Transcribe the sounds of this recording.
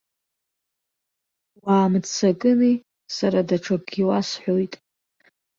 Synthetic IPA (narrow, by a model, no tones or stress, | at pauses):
waːmt͡sʰakʼɨni | saɾadaʈ͡ʂʰaɡiwasħʷojtʼ